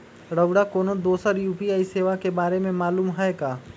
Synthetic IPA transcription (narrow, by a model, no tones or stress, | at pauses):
ɽəʋɽakoːnõd̪oːsəɾjuːpiaːiseːʋakebaːɾemẽmaːluːmɦɛeɡaː